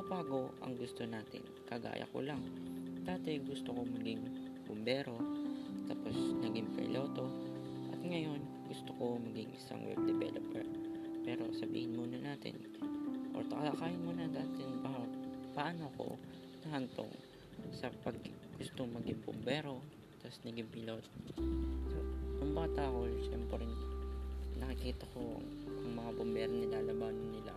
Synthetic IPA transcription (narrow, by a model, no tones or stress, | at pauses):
ɐbaːɡo̞ʔɐ̰ŋɡʊst̪o̞naːt̪ɪ̰nkɐɡa̰ːjʔɐ̰ko̰lɐŋd̪aːt̪ɛɡʊst̪okomɐɡɪŋbʊmbɛːɾo̞t̪aːpo̞snɐɡɪŋpɾɪ̰lʔo̞ːt̪o̞ | ʔɐt̪ŋɐjo̞n | ɡʊst̪oko̞mɐɡɪŋʔɪsa̰ŋwɛ̰b̚d̪ɛbɛ̰lopɛ̰ɹpɛːɾo̞̰sɐbḭːhɪnmunɐnaːt̪ɪ̰n | ʔo̰ɾt̪ɐkɐlɐkaːjɪnmonɐd̪aːt̪ɪnpapaʔɐnoko̰ | nɐhɐnt̪o̰ŋ | sɐpɐɡ̚ | ɡ̥ʊst̪oŋmɐɡɪŋbʊ̰mbɛːɾo̞ | t̪ɐsnɐɡɪmpɪlot̪̚ | sonʊŋbaːt̪aʔkoʃɛmpɾɛɾɪn | nɐkɪkiːt̪ɐko̞ɐ̰ŋ | ʔɐŋmɐŋabombɛːɾonɪlaːlɐbaːnonːɪla̰